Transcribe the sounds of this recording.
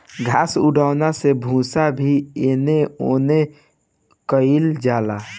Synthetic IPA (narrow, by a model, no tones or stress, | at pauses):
ɡʱaːsʊɖaːnasebʱũːsabʱieːneoːne | kəɪld͡ʒaːlaː